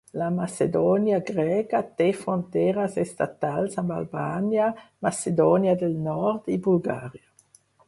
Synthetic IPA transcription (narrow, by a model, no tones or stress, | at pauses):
lamased̪oɔːnjaɡʁɛːkat̪efʁont̪ɛːʁasɛst̪a̰t̪alsamba̰lbaːnjamased̪ɔːnjad̪elnɔɾd̪ibulɡaːʁja